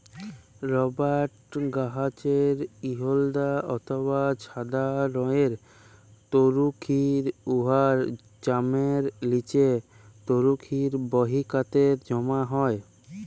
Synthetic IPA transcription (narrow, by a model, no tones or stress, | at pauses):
ɾɔbaʈɡaɦat͡ɕeɾiɦold̪aɔt̪ʰoβat͡ɕʰad̪aɾɔeɾ | t̪oɾukʰiɾuɦaɾ | d͡ʑameɾlit͡ɕe | t̪oɾukʰiɾbɔɦikat̪eɾd͡ʑɔmaɦɔe